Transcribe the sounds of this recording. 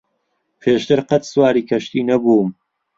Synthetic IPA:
pʰeːʃt̪ɨɾqɐt̪swaːɾiːkʰɐʃt̪iːnɐbum

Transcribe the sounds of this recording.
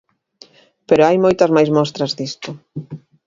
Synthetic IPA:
peɾoajmojt̪ɐzmajzmɔst̪ɾɐzðist̪ʊ

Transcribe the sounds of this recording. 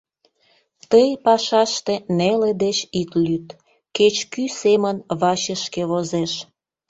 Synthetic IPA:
t̪əjpɑʃɑʃt̪eneled̪et͡ɕit̪lyt̪ | ket͡ɕkysemənβɑɕəʃkeβozeʃ

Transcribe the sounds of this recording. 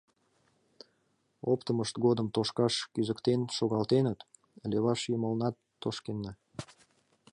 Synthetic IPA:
opt̪əməʃt̪ɡod̪əmt̪oʃkɑʃkyzəkt̪enʃoɣɑlt̪enət̪ | lʲeβɑʃjəməlnɑt̪ːoʃkenːɑ

